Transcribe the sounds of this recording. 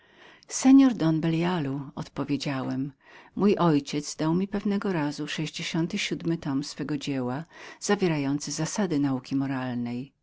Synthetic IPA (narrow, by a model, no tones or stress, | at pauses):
sɛɲɔɾd̪ɔnbɛljaluɔ̰t̪pɔvʲjed͡ʑawɛmː | ujʔɔjt͡ɕɛt̪zd̪awmʲipɛvnɛɡɔɾazuʂɛʑd͡ʑeɕɔnt̪ɘɕud̪mɘt̪ɔmsfɛɡɔd͡ʑewaz̥avʲjeɾajɔnt̪sɘzasad̪ɘnaukʲimɔɾalnɛj